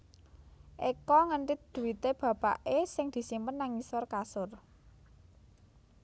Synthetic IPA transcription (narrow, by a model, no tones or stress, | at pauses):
ʔekɔŋəɳʈɪt̪̚d̪̥ṳwit̪eb̥ä̤pa̰ʔesɪŋd̪̥i̤simpənːaŋisɔrkasʊr